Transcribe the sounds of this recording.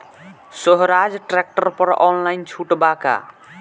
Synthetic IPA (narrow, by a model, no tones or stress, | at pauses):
səɦɾad͡ʒʈɾek̚ʈəɾpəɾɔnlaint͡ʃʰuʈbaka̰